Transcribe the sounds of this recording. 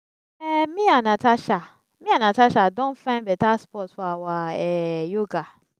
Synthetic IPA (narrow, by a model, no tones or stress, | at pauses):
ɛmĩanatʰaʃa | mĩanataʃadɔ̃nfãɪ̃nbɛtaspɔtwawaɛjoɡa